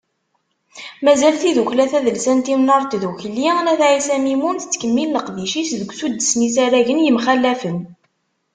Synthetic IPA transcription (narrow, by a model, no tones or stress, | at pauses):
mæzælθiðuçlæθæðəlsænt̪imnəɾˤt̪ðuçlːinæθʕisæmimunθə̥t͡sːkəmːilːəqviʃisðəɡʷsud̪ːəsnisæɾæʝənjəmχælːæfən